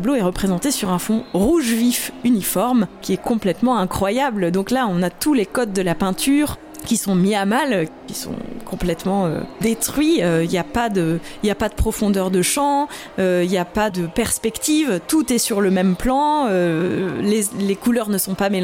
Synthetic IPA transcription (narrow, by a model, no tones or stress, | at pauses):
bloɛʁəpχezɑ̃t̪esyʁɛ̃fɔ̃ʁuʒvifynifɔʁmkʲiɛkɔ̃plɛt̪mɑ̃ɛ̃kχwajabld̪ɔ̃klaɔ̃nat̪ulekɔd̪̚d̪əlapɛ̃t̪yʁ | kʲisɔ̃miamalkʲisɔ̰̃kʰɔ̃plɛt̪mɑ̃ø̰d̪et̪χɥiøiljapad̪əiljapad̪əpχɔfɔ̃d̪œʁd̪əʃɑ̃ | øiljapad̪əpɛʁspɛkt̪ivt̪ut̪ɛsyʁləmɛmplɑ̃ølelekulœʁnəsɔ̃pamẽ